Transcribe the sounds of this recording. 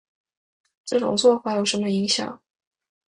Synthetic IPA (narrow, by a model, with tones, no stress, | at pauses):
ʈ͡ʂɤ˥˩ʈ͡ʂʊ̰˨˩ŋt͡swɔ˥˧fa˨˩jo˨˩ʊʂə˧˥nmə˧i˧˥ŋɕjɑ̰˨˩˦ŋ